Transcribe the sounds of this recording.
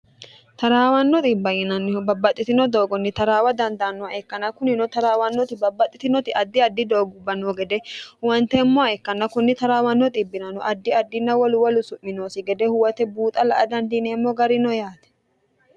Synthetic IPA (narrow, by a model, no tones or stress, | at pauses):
t̪ɐɾaːwɐnːɔt̪ʼiːbːɐjɪnɐnːɪbɐbːɐt̪ʼːɪt̪ɪnɔd̪o̞ːɡɔnːɪt̪ɐɾaːwɐd̪ɐnd̪ɐɐnːɔaʔɛkːɐnːɐkʊnɪnɔt̪ɐɾaːwɐnːɔt̪ɪbɐbːɐt̪ʼːɪt̪ɪnɔt̪ɪʔɐd̪ːɪɐd̪ːɪd̪o̞ːɡʊbːɐnoːɡɛd̪ɛwɐnt̪ɛmːɔaɛkːɐnːɐkʊnːɪt̪ɐɾaːwɐnːɔt̪ʼɪbːɪnɐnɔʔɐd̪ːɪɐd̪ːɪnːɐwɔlʊwɔlʊsʊʔːɪnoːsɪɡɛd̪ɛhʊwɐt̪ɛbuːt̪ʼɐlɐʔɐd̪ɐnd̪ineːmːɔɡɐɾɪnɔjaːt̪ɛ̥